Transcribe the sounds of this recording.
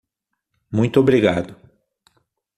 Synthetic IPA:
mũj̃t̪ʊobɾiɡad̪ʊ

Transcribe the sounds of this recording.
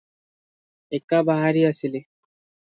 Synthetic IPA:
ekːabaɦaɾiəsili

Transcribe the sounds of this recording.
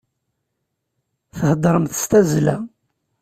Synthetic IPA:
θəhəd̪ˤɾˤəmθə̥st̪æzlæ

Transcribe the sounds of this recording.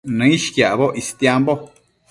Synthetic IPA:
nɨ̃iʃkjaβoʔist̪jambo

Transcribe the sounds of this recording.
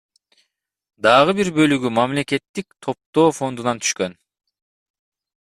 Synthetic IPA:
d̪ɑʁɯbiɾbø̞lyɡymamle̞ke̞t̪ːik̚t̪ʰo̞p̚t̪o̞ːfo̞nd̪unɑnt̪ʰyʃkø̞n

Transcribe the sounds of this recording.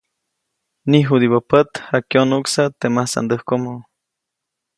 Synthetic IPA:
niɦud̪iβopət̪hakjonuksat̪emasa̰nd̪əhkomo

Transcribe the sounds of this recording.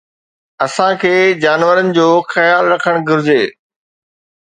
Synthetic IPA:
ɐsãkʰeːd͡ʑaːnʋəɾənɪ̆d͡ʑoːxɐjaːlɾɐkʰəɽ̃ɡʱʊɾɪd͡ʑeː

